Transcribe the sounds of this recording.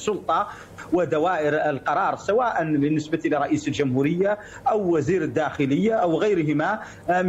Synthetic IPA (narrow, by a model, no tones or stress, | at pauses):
sˤːʊlt̪ˤɑ | wəd̪awaːʔəɾəlqɑɾˤɑːɾˤsawaːʔanbənːəsbat̪ilɪɾˤɑʔiːsəlʒʊmhuːɾəjːa | ʔawːæziːɾəd̪ːæːxɪləjːaʔawɣæjɾɦɪma | m